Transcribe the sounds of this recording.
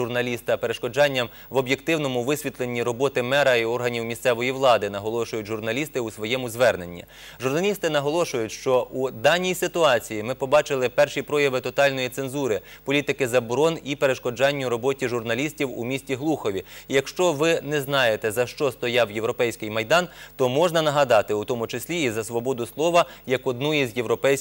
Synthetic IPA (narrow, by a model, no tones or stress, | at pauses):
ʊrnɐlʲist̪ɐpeɾeʃkɔd͡ʒɑnʲːɐm | ʋɔbʲjekt̪ɪwnɔmʊʋɪsʲʋʲit̪lˠenʲːiɾɔbɔt̪ɪmɛɾɐiɔrɦɐnʲiwmʲist̪sɛʋɔjiʋlˠɑd̪ɪnɐɦɔlˠɔʃʊjʊtʲʒʊrnɐlʲist̪ɪusʋɔjɛmʊzʋɛrne̞nʲːḭ | ʒʊrnɐlʲist̪ɪnɐɦɔlˠɔʃʊjʊtʲʃt͡ʃɔʔud̪ɑnʲijsɪt̪ʊɑt͡sʲijimɪpɔbɑt͡ʃɪlˠɪpɛrʃipɾɔjɐʋɪt̪ɔt̪ɑlʲnɔjit̪se̞nzuɾɪ | pɔlʲit̪ɪkɪzɐbɔɾɔnipeɾeʃkɔd͡ʒɑnʲːʊɾɔbɔtʲiʒʊrnɐlʲisʲtʲiwṵmʲisʲtʲiɦlˠuxɔʋʲiijɐkʃt͡ʃɔʋɪnɛznɑjet̪ɛzɐʃt͡ʃɔst̪ɔjawjewɾɔpɛjsʲkɪjmɐjd̪ɑnt̪ɔmɔʒnɐnɐɦɐd̪ɑt̪ɪut̪ɔmʊt͡ʃɪsʲlʲiːzɐsʋɔbɔd̪ʊslˠɔʋɐjɐkɔd̪̚nujizʲjewɾɔpɛjsʲ